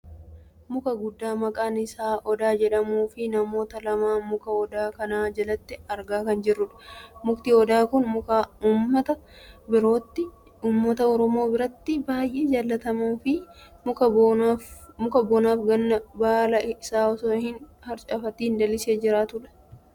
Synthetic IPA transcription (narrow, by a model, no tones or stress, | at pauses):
mʊkɐɡʊd̪ːaːmɐkʼaːnɪsaːʔɔd̪aːd͡ʒɛᶑɐmuːfɪnɐmo̞ːt̪ɐlɐmaːmʊkɐɔd̪aːkɐnaːd͡ʒɐlɐt̪ːɪɐɾɡaːkɐnd͡ʒɪrːʊᶑɐ̥mʊkt̪ɪɔd̪aːkʊnmʊkauːmːɐt̪ɐ | bɪɾo̞ːt̪ːɪ | uːmːɐt̪ɐɔɾɔmo̞ːbɪɾɐt̪ːɪbaːjʔe̞ːd͡ʒaːlːɐt̪ɐmuːfɪmʊkɐ | mʊkɐboːnaːfɡɐnːɐbaːlɐɪsaːɔsoːhɪnhɐɾt͡ʃʼɐfɐt̪iːnd̪ɐlɪse̞ːd͡ʒɪɾaːt̪ʊᶑɐ̥